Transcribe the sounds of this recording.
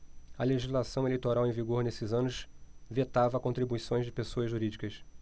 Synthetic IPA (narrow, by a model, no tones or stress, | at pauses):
ɐleʒizlasɐ̃w̃elejt̪oɾawẽj̃viɡoɾnesɪzɐ̃nʊsvet̪avɐkõnt̪ɾibuisõj̃zd͡ʒɪpesoɐzʒuɾid͡ʒikɐs